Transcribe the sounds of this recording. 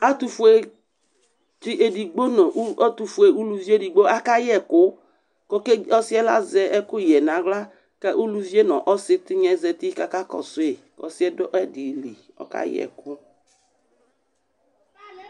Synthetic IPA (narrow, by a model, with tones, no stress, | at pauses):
a˦t̪u˨fu˦e˦ | ti˦ʔe˨di˨ɡ͡bo˦nɔ̃˨ʔu˦ɔ˦t̪u˨fu˨˦e˨u˦lu˦vi˦e˦di˨ɡ͡bo˦ʔa˦ka˦jɛ˦˨kʊ˦ | kɔ˦ke˦ɔ˦si˦ɛ˦la̰˦zɛ˨ʔɛ˦kʊ˦jɛ˨nã˨˦ɣla˦ | ka˦ʔu˦lu˦vi˦e˦nɔ̃˨ʔɔ˦sɪ˦t̪ɪ˦ɲɛ̃˨˦zɛ˨t̪i˦ka˦ka˦kɔ̰˨sʊ˦e˨ | ɔ̰˨si˦ɛ˦dɔ˦ʔɛ˦di˨li˨ | ɔ̰˨ka̰˦jɛ̰˨kʊ˦